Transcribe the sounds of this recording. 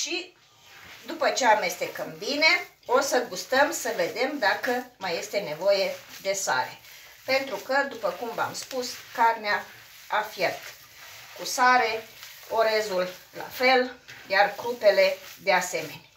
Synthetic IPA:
ʃi | d̪upət͡ʃeame̞st̪e̞kəmbine̞ | o̞səɡust̪əmsəve̞d̪e̞md̪akəmaje̞st̪e̞ne̞vo̞je̞d̪e̞sa̰ɾe̞̰ | pe̞nt̪ɾukəd̪upəkumva̰mspuskarnea | afjert̪ | kusaɾe̞o̞ɾe̞zulla̰fe̞lɡʲarkɾupe̞le̞d̪e̞ase̞me̞nʲa

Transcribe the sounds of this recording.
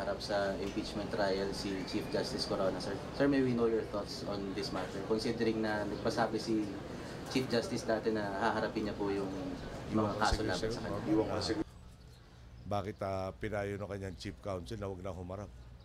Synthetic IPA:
ɐɾap̚sɐʔɪmpit͡ʃmɛnt̪ɾajɐlsit͡ʃifd͡ʒast̪ɪskoɾo̞ːnɐsɛɹsɛɹmejwinowj̪ɛɹθot̪sond̪ɪsmat̪ɛɹkonsid̪ɛɾɪŋnɐnɐɡ̚pɐsaːbɪsi | t͡ʃifd͡ʒast̪ɪsnaːt̪ɛnːɐhaɦɐɾɐpɪnɲɐpʊjʊŋmɐŋakaːsolaːbɐnsɐkɐ̰awɐŋsɡ | baːkɪt̪apɪnaːjonokɐɲaŋt͡ʃip̚kawnt̪sɛlnɐwɐɡ̚nɐŋhʊmɐɾap̚

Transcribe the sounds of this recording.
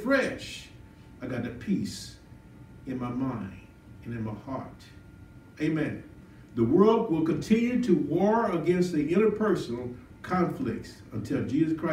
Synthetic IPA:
fɹɛʃ | aɪɡɑɾɨpʰis | ɨ̃nmaɪmãɪ̃nd | ɨ̃nɨ̃nmaɪhɑɹt | eɪmɛ̃n | ðəwɜ˞lˠd̚wɪlˠkɨ̃ntʰɪ̃njʉɾɨwɔɹəɡɛ̃nst̪̚ðiʔɪ̃ɾ̃ə˞pʰɜ˞sn̩l̩ˠ | kʰɑ̃ɱflɪk̚t | ə̃ntʰɪlˠd͡ʒizɨskʰɹ̥aɪ

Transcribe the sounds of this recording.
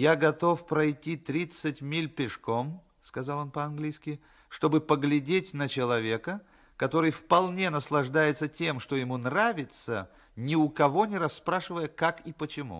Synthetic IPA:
jaɡɐt̪o̞fpɾɐjtʲːit̪ɾʲit̪sɨtʲmʲilʲpʲɪʂko̞m | skɐzalˠo̞npəɐnɡlʲijskʲɪ | ʂt̪o̞bɨpəɡlʲɪdʲetʲnət͡ɕɪlˠɐvʲe̞kə | kɐt̪o̞ɾɨjfpɐlˠnʲenəslˠɐʐd̪ajɪt̪sətʲe̞mʂt̪ojɪmunravʲɪt̪sə | nʲɪʊkɐvo̞nʲɪɾɐsːpɾaʂɨvəjəkakipət͡ɕɪmṵ

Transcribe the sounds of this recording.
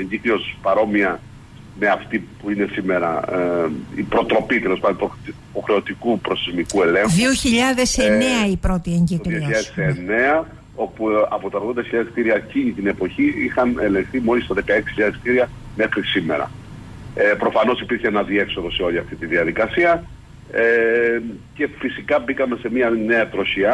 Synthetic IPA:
eɲɟiklio̞spɐɾo̞miɐ | me̞ɐft̪ipuine̞sime̞ɾɐ̰ | ḭpɾo̞t̪ɾo̞pit̪elo̞spɐno | po̞xɾe̞o̞t̪ikupɾo̞st̪izmikue̞le̞ŋxðioçiʎɐðe̞seneɐipɾo̞t̪ieɲɟikðliʎɐðesene̞ɐ | o̞puɐ̰po̞t̪ɐðɣo̞nd̪ɐçiʎɐðeskt̪iɾiɐciɲit̪ine̞po̞çiixɐne̞lẽ̞ŋxθimo̞list̪ɐðe̞kɐe̞ksi̥çiʎɐðeskt̪iɾiɐ | me̞xɾisimḛɾɐ̰ | epɾo̞fɐno̞sipiɾçeenɐðie̞kso̞ðo̞se̞o̞lʲiɐft̪it̪iðiɐðikɐsiɐ | e | ce̞fisikɐbikɐme̞se̞miɐne̞ɐt̪ɾo̞çiɐ

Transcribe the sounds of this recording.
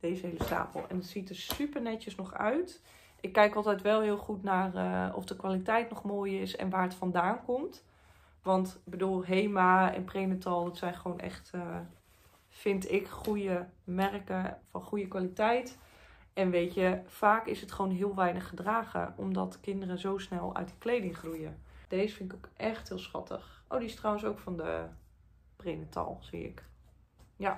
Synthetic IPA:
d̥eːzəɦejləsta̰ːpə̰l̩ˠɛ̰ndətsitəɹsypəɹnɛjəsnɔχœ̰ɥt | ʔɪkːɛjkɑlˠtɛjtʋɛlˠɦɪːlˠχutnaːrə̰ɔ̰fdəkʋalitɛjtnɔχmoːjɪsɛ̰nʋaːrətfɔndaːnkɔmt | ʋɑntbədulˠɦejmaɛ̰npreːnətɑlˠdətsɛjnχəʋownʔɛ̰χtə | fɪntɪkχujəmɛrkəfɔnχujəkʋalitɛjt | ɛnʋejtəfaːkɪsətχʋoːnɦɪəlˠʋɛjnəχːədraːχə̰ʔɔ̰mdɔ̰tkɪndərəzowsnɛlˠœ̰ɥt̚də̥klejdɪŋχrujəd̥eːzəfɪnɪkokʔɛxthɪːlˠsχɑ̰tʰə̰xʔo̰ːdiɪstrɔwənsowkfɔndə̰ | preːnətʰɑ̰lˠz̥ḭɪ̰k | ja

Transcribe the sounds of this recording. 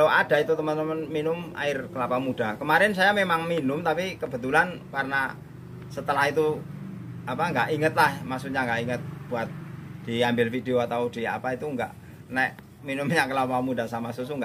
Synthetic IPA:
load̥a̤it̪ut̪əmənt̪əmənminʊma̰ɪrkəlapamud̥akəmaɾɪnsajamemaŋminʊmt̪apikəb̥ə̤t̪ulankarna | sət̪əlahit̪u | apaŋɡaʔiŋət̪̚lahmasuɲaŋɡaʔiŋət̪̚b̥uat̪̚d̪̥i̤ambɪlfid̪eoat̪aud̥i̤a̰pait̪uŋɡa̰ʔ | nɛʔ | minʊmɲakəlapamudasamasusuŋɡaʔ

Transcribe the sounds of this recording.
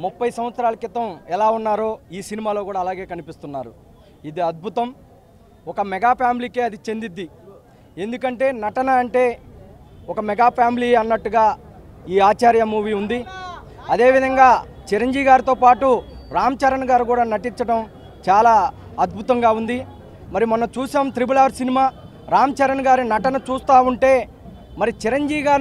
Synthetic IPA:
mupːɐjsɐm̃ʋɐt̪sɐɾaːlɐkit̪ɐmɛlaːunːaːɾo̞ːiːsinimaːlo̞ːkuːɽaːlaːɡe̞ːkɐnipist̪unːaːɾu | id̪iɐd̪̚bʱut̪ɐm | ɔkɐmɛɡaːpʰjaːmiliːkeːɐd̪it͡ʃe̞nd̪id̪ːi | e̞nd̪ukɐɳʈe̞ːnɐʈɐnɐːɳʈe̞ː | ɔkɐmɛɡaːpʰaːmiliːɐnːɐʈːuɡaː | iːaːt͡ʃaːɾjɐmuːʋiːund̪i | ɐd̪e̞ːʋid̪ʱɐŋɡaː | t͡ʃiɾɐɲd͡ʒiːʋiɡaːɾit̪o̞ːpaːʈuɾaːmɐt͡ʃɐɾɐnɡaːɾikuːɽaːnɐʈiɲt͡ʃɐʈɐm | t͡ʃaːlaː | ɐd̪̚bʱut̪ɐŋɡaːund̪i | mɐɾimɐnːɐmt͡ʃuːsaːmt̪ɾibulaːɾsinimaː | ɾaːmɐt͡ʃɐɾɐnɡaːɾinɐʈɐnɐt͡ʃuːst̪aːuɳʈe̞ː | mɐɾit͡ʃiɾɐɲd͡ʒiːʋiɡaːɾ

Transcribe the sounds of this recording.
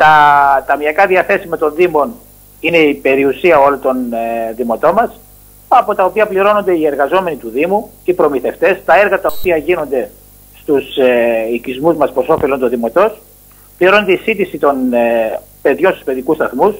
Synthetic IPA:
t̪ɐt̪ɐmiɐkɐðiɐθe̞simɐt̪o̞nðimo̞n | ine̞ipe̞ɾiusiɐo̞lot̪o̞nðimo̞t̪o̞mɐs | ɐpo̞t̪ɐo̞piɐpliɾo̞no̞nd̪e̞ie̞ɾɣɐzo̞me̞nit̪uðimu | ipɾo̞miθe̞ft̪e̞st̪ɐe̞ɾɣɐt̪ɐopiɐʝino̞nd̪e̞ | st̪useicizmuzmɐspɾoso̞felo̞nt̪oðimo̞t̪o̞s | pliɾo̞nod̪eisit̪isit̪o̞n | pe̞ðʝo̞nst̪u̥spe̞ðikust̪ɐθmus

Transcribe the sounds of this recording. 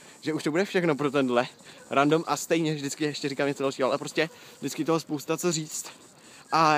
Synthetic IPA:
ʒɛuʃt̪obudɛfʃɛxnopɾot̪̬ɛndlɛɾandomʔast̪ɛjɲɛvdɪt͡skɪɛʃcɛɾiːkamɲɛt͡sodalʃiːɦoʔalɛpɾo̞scɛʒdɪt͡skɪt̪oɦospowst̪at͡so̞riːt͡st̪ | ʔa

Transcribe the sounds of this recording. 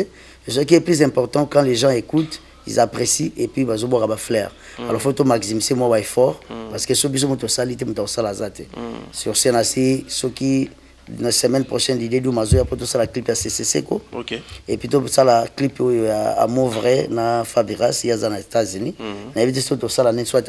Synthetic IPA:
sɔk̬iɛplyzɛ̃pɔʁtɑ̃kɑ̃leʒɑ̃ekut | ḭzapʁesiepɥibazobwakabaflɛʁ | alɔʁfotomaksimisemwabaɛfɔʁpaʁsə̥kesobis̬omutuosalitemutuakosalazate̥̰syʁsɛnasisɔki | nasɛmɛnpʁoʃɛndidedumazojapot̬osalaklipjasesesḛkoepɥitosalaklipojojaa̰movʁɛnafabiʁasiazanaetazyninajebit̬esoktosalanɛ̃soat

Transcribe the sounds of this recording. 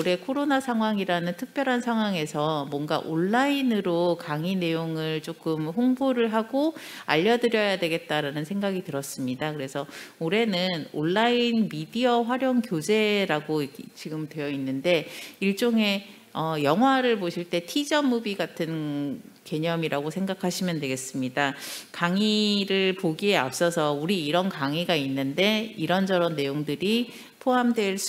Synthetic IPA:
oɾe̞kʰoɾonasʰaŋɦwaŋiɾanɯntʰɯk̚p͈jʌɾɦansʰaŋɦwaŋe̞sʰʌmwʌnɡa̰ʔoɭːainɯɾokaŋine̞joŋɯɭt͡ɕ͈ok͈ɯmɸoŋboɾɯɭɦaɡoa̰ʎːʌdɯɾjʌjadwe̞ɡe̞t̚t͈aɾanɯnsʰeŋɡaɡitɯɾʌs͈ɯmɲidakɯɾe̞sʰʌoɾe̞nɯnoɭːainmidiʌɸwaɾjʌŋkjod͡ʑe̞ɾaɡoit͡ɕiɡɯmdwe̞jʌinːɯnde̞iɭt͡ɕ͈oŋɦe̞ | ʌjʌŋɦwaɾɯɭpoɕʰiɭt͈e̞tʰid͡ʑʌmːubiɡatʰɯnke̞ɲʌmiɾaɡosʰe̞ŋɡakʰaɕʰimjʌntwe̞ɡe̞s͈ɯmɲidakaŋiɾɯɭpoɡie̞ap̚s͈ʌsʰʌuɾiːɾʌnkaŋiɡainːɯnde̞iɾʌnd͡ʑʌɾʌnːe̞joŋdɯɾi | pʰoamdwe̞ɭs

